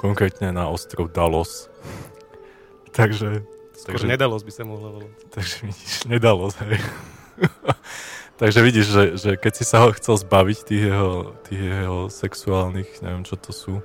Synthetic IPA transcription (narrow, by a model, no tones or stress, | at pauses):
kɔŋkɾɛːt̪ɲɛnaɔst̪ɾɔʊd̪alɔs | t̪aɡʒɛ | aɡɔɾɛɲɛd̪alɔzbisamɔɦlabalt̪aɡʒɛʋiɟiʒɲɛd̪alɔsɦɛj | t̪aɡʒɛʋiɟiʒʒɛʒɛkɛcsisaɦɔxt͡sɛlzbaʋict̪iːɣjɛɦɔt̪iːɣjɛɦɔsɛksuaːlnixɲɛ̰ʋɪɛmt͡ʃɔt̪ʰɔsuː